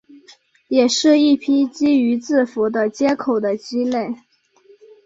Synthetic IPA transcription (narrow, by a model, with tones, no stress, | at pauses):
jɛ˨˩ʂɻ̩˥˧i˥˩pʰi˥t͡ɕi˥y˧˥t͡sɹ̩˥˩fu˧˥d̪ə˧t͡ɕjɛ˥kʰo˨˩ʊd̪ə˦t͡ɕi˥le˥˩ɪ